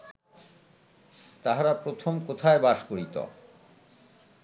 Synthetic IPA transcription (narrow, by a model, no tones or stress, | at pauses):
t̪aɦaɾapɾot̪ʰomkot̪ʰaebaʃkoɾit̪o̰